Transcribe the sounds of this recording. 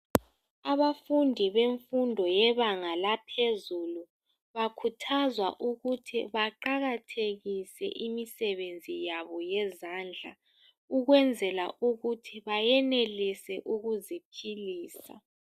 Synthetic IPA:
aβafundʱiβeɱfundʱɔjɛβaŋalapʰezulu | βakʰutʰazwa̰ʔuɣutʰiβaǃaɣatʰeɣisɛ̰ʔimisɛβend͡zʱijaβɔjɛzand͡ɮʱa̰ | uɣwɛnd͡zʱɛlaʔuɣutʰiβajɛnelisɛʔuɣuzipʰiliːsa̰

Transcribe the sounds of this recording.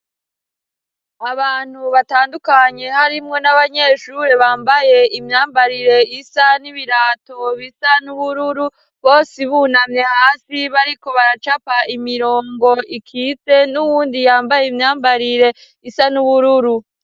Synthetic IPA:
aβaːn̥huβataːndukaɲe̞haɾimŋo̞naβaɲe̞ːʃuɾeβaːmbaje̞imɲaːmbaɾiɾe̞isaniβiɾaːto̞βisanuβuɾuɾu | βo̞ːsiβunamɲe̞haːsiβaɾiko̞βaɾat͡ʃapaimiɾo̞ːŋɡo̞ʔikʰit͡se̞nuwuːndijaːmbajeimɲaːmbaɾiɾe̞ | isanuβuɾuɾu

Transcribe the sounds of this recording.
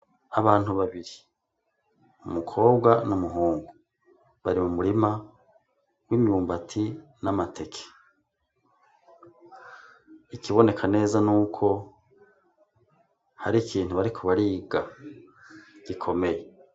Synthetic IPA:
aβaːn̥huβaβiɾi | umukʰo̞ːbɡwanumuɦuːŋɡu | βaɾimumuɾima | wimjuːmbatʰinamatʰe̞kʰe̥ | ikʰiβo̞ne̞kʰane̞ːzanuːkʰo̞ | ha̰ɾikʰiːn̥uβaɾikʰoβaɾiːɡa | ɡ̥ikʰo̞me̞je

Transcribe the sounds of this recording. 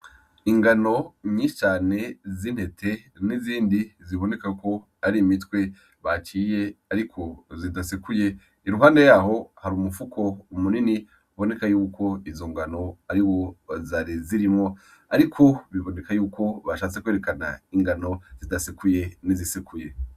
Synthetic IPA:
iŋɡano̞ɲiʃi̥t͡ʃaːne̞zin̥he̞tʰe̞niziːndiziβo̞ne̞kako̞ | aɾimitkwe̞ | βat͡ʃiːje̞aɾikʰo̞zidasikuje̞ | iɾuɦaːnde̞jaːɦo̞haɾuːmufukʰo̞umunini | uβo̞ne̞kajuːko̞izo̞ŋɡano̞aɾiwozaɾiziɾimŋo̞ | aɾikʰoβiβo̞ne̞kajuːko̞βaʃaːt͡se̞kweɾe̞kana̰iŋɡano̞z̥idasikuje̞nizisikʰuje̞

